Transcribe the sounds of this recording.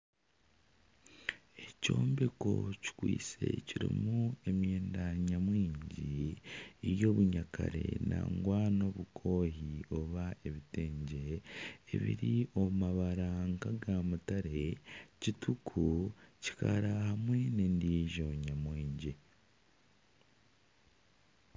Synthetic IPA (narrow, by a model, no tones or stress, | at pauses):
e̞co̞ːmbeko̞̰ci̥kwḭːt͡se̞ciɾḭmue̞mje̞ːndaɲamwiːɲɟiː | jo̞ːβuɲakʰaɾe̞̰na̰ŋɡwaːno̞ːβukʰo̞ːɦio̞βae̞βite̞ːɲɟe̞̰ː | βḭɾio̞maβaɾaŋkaɡamutaɾe̞citʰukʰuci̥kaɾahamwe̞nendiʒoɲamwiːɲɟi